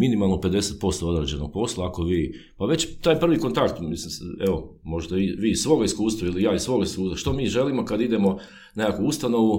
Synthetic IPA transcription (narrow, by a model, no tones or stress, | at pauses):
minimalˠnoped̪e̞set̪̚po̞st̪oo̞d̪ɾed͡ʑeno̞̰ɡ̚po̞slˠaːko̞ʋiː | paʋe̞t͡ɕt̪aːjpr̩ʋiko̞nt̪akt̪mislimeo̞mo̞ʒd̪aiʋiːssʋo̞ɡaiskuːst̪ʋailijaːisʋo̞ɡaiskuːst̪aʃt̪omiːʒe̞limo̞kad̪id̪e̞mo̞ | nekakuust̪ano̞ʋu